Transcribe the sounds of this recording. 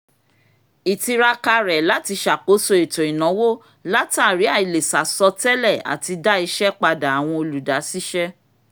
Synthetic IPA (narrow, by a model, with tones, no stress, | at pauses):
i˨ti˧ɾa˧ka˧ɾɛ˨la˨˦ti˧ʃa˨ko˨˦so˧e˨tõ˨i˨nɔ̃˨˦wo˦ | la˦ta˦˨ɾi˨˦a˦˨i˨le˨sa˨sɔ˧tɛ˦lɛ˦˨a̰˨ti˧da˦i˧ʃɛ˦k͡pa˧da˨a˨w̃ɔ̃˧o˧lu˨da˨˦si˦ʃɛ˦